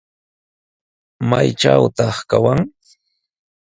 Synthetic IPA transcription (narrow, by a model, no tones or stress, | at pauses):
majʈ͡ʂawt̪ɑχkawaŋ